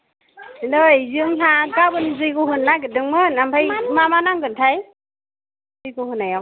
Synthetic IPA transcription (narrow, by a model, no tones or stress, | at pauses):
indɔjzɯŋsaɡabɯnzɯjɡɯɦɯnːaɡɯdɯŋmɯnambʰajmamanaŋɡɯntʰaj | zɯjɡuhɯnaja